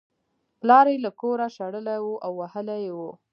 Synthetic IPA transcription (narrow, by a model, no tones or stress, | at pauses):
plɑɾejlakoɾaʃaɽəlajwoʔawːahəlajwo